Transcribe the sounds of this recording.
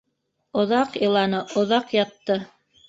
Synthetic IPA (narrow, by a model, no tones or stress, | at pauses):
ŏðɑqjɤ̆lˠɑnɤŏðɑqjɑt̪ːɤ